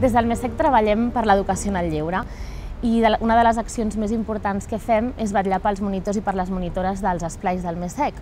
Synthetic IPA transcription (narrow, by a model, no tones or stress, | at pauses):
d̪ezðəlˠmesɛk̚t̪ɾəβəʎɛmpəɾləðukəsionalːiwɾə | iðəunəðələzəksionzmezimpuɾt̪anskəfɛmezβəʎapəlˠzmunit̪ozipəɾləzmunit̪oɾəzðəlˠzəsplajzðəlˠmesɛk